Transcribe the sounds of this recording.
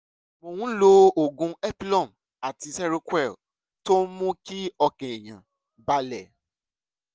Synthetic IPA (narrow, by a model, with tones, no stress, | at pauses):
mõ˨wũ˦lo˧o˨ɡũ˧˦ɛ˦pi˦lɔ̃˦˨m | a˨ti˧sɛ˦ɾo˧kwɛ˦˨ | to˦mũ˦ki˦ɔ˧kɛ̃˨e˨j̃ã̰˨ | ba˦lɛ˦˨